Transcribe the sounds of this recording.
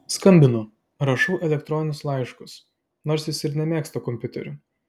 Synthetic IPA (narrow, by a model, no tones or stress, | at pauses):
skɐmʲbʲɪnʊ | ɾɐʃɔʊʔɛlʲɛk̚t̪ɾɔnʲɪnʲʊslˠɑɪʃkʊs | noːɾsʲjɪsɪɾnʲɛmʲeːkst̪ɐkɔmʲpʲʊt̪ʲɛ̰ɾʲʊ